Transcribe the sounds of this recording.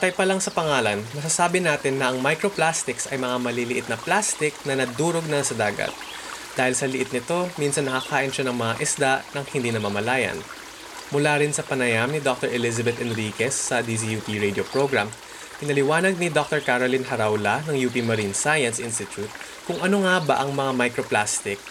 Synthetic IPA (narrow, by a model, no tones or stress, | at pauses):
kɐjpɐlɐŋsɐpɐŋaːlɐnmɐs̬asaːbɪnaːt̪ɪnːɐʔɐŋmajkɾoplast̪ɪksɐjmɐŋamɐlilɪʔɪt̪̚nɐplast̪ɪk̚nɐnɐd̪uːɾoɡ̚nɐsɐd̪aːɡɐ̰t̪̚ | d̪̥aːhɪlsɐlɪʔɪt̪̚nɪt̪o̞minsɐnːɐkɐkaːʔɪnʃanɐŋmɐŋaʔɪsd̪aʔnɐŋhɪnd̪iːnɐmɐmɐlaːjɐ̰n | mʊlaːɾɪnsɐpɐnɐjamnɪd̪ok̚t̪oɹʔɛlɪzɐbɛt̪ʔɛnɾiːkɛsːɐd̪is̬ijupiɹejd̪iopɹoɡɹam | pɪnɐlɪwaːnɐɡ̚nɪd̪ok̚t̪ɛɹkaɾolinhɐɾawlɐnɐŋjuːpimɐɾinsajɐnsʔɪnst̪ɪt̪ut̪̚ | kʊŋʔɐno̞ŋabɐ̰ʔɐŋmɐŋamɐjkɾoplast̪ɪk̚